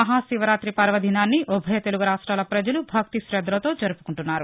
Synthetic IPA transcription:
ɐɦaːsiʋɐɾaːt̪ɾipɐɾʋɐd̪ʱinaːnːiʔubʱɐjɐt̪e̞luɡuɾaːʂʈɾaːlɐpɾɐd͡ʒɐlubʱɐk̚t̪iʃɾɛd̪ʱːɾɐt̪o̞ːd͡ʒɐɾupu̥kuɳʈunːaːɾu

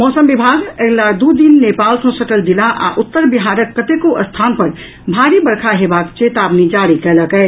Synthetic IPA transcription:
mɔsəmbibʱaɡeɡlad̪ud̪inːepalsə̃səʈəld̪ilaʔa̰ʔut̪ːəɾbiɦaɾəkːət̪ekoʔəst̪ʰanpəɾ | bʱaɾibəɾkʰaɦebakt͡ʃet̪abnid͡ʒaɽikɛləkɛ

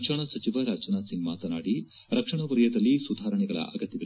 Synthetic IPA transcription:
ʂɐɳɐsɐt͡ʃiʋɐɾaːd͡ʒɐnaːsiŋɡma̰ːt̪ɐnaːɽi | ɾɐkʂɐɳɐʋɐɾɐjɐd̪ɐlːisud̪ʱaːɾɐɳɛɡɐɭɐ̰ʔɐɡɐt̪ːjɐd̪ɐ

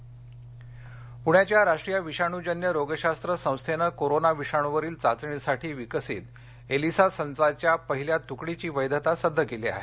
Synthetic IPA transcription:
puɽjat͡ɕjaɾaʂʈɾijaʋiɕaɽ̃ud͡ʑənjəɾoɡəɕast̪ɾəsə̃w̃st̪ʰenəkoɾonaʋiʂaɽ̃uʋəɾiːlt͡sat͡sɳisaʈiːʋikəsḭːt̪ | elisasənt͡sat͡ɕjapəɦiljat̪ukɽit͡ɕiːʋəjd̪ət̪asəd̪ʱːəkelea̰ɦḛ

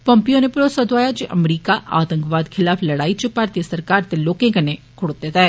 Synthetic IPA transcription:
pəmpioːneːpɾoːsəd̪ʊaːjaːd͡ʒeʔəmɾiːkaʔaːt̪əŋkʋaːd̪kʰɪlaːpʰləɽaːit͡ʃəpaːɾt̪iəsəɾkaːɾt̪eloːkẽːkəne | kʰʊɽod̪et̪aːɛː

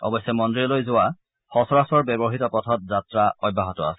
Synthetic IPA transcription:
ɔ̰bɔsɛmɔndɹilojzʊwa | xɔsɔɹasɔɹbɛbɔɦitɔpɔtʰɔt̚zatɹaɔj̚bʱːaɦɔtɔa̰sɛ

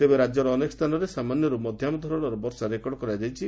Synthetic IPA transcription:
t̪ebeɾad͡ʒɔɾɔːnekɔst̪ʰanɔɾesamanjɔɾumɔd̪ʱjamɔd̪ʱɔɾɔɽ̃ɔɾɔbɔɾsaɾekɔɽɔkɔɾiad͡ʒajt͡ʃʰi

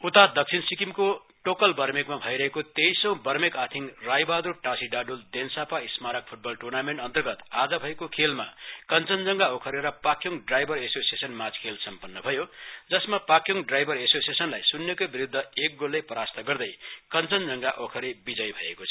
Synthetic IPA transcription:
ut̪ad̪ʌk̚t͡sʰinsikimko | ʈokʌlbʌrmekmabʱʌjɾʌɦekot̪ejsʌ̃w̃bʌrmekat̪ʰiŋrajbad̪uʈasiɖaɖuld̪ensapaismaɾʌk̚pʰuʈ̚bʌlʈurnameɳʈʌnt̪ʌrɡʌt̪ad͡zʌbʱʌekokʰelma̰kʌnt͡sʌnd͡zʌŋɡaokʰʌɾeɾʌpakjuŋɖrajbʱʌɾesosiesʌnmat͡skʰelsʌmpʌnːʌbʱʌjod͡zʌsmapakjoŋɖrajbʱʌɾesosiesʌnlajsunːekʌbiɾud̪ʱːʌek̚ɡolːepʌɾast̪ʌɡʌrd̪ʌjkʌnt͡sʌnd͡zʌŋɡaʔokʰʌɾebid͡zʌjbʱʌḛkot͡sʰʌ

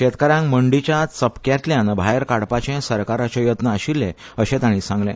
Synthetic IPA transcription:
ɕet̪kəɾãŋməɳɖit͡ɕjat͡səpkjat̪ljãnbʱajəɾkaɽpat͡ɕẽsəɾkaɾat͡ɕɔjət̪nəaɕilːẽ | əɕẽt̪aɽ̃ĩsãŋɡlḛ̃

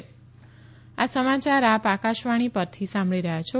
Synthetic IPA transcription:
asəmat͡ʃaɾapakaʃʋaɽ̃ipəɾt̪ʰisãmbɭiɾəɦjat͡ʃʰo

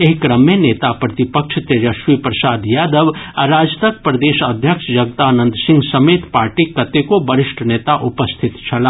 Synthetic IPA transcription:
eɦikɾəmːẽneːt̪apɾɐt̪ɪpəkʃʰt̪eɾɐʃʋipɾɐsaːd̪jaːd̪əʋɐɾaːd͡ʒt̪ək̚pɾɐd̪eːʃɐd̪ʱjəkʃjɐɡ̚t̪aːnə̃nd̪ʱsɪ̃ŋɡsɐmeːt̪paːɾʈikɐt̪ekobɐɾɪʃʈʰneːt̪aʔʊpəst̪ʰɪt̪t͡ʃʰɐla

